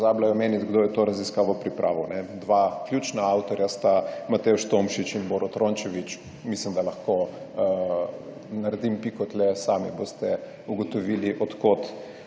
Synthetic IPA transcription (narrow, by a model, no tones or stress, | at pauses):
zaːblajɔmeːnit̪ɡd̪oːjɛt̪oːɾɐziskaːʋɔpɾipɾʔa̰ːʋɔnɛd̪ʋaklʲjuːt͡ʃnaawt̪ɔɾjast̪amat̪ɛuʃt̪omʃit͡ʃinboːɾɔt̪ɾont͡ʃɛʋit͡ʃ | mislimd̪alɐxko | naɾɛd̪impikɔt̪lɛsaːmḭboːst̪ɛ | uɡɔt̪oʋiːliʔɔt̪kot̪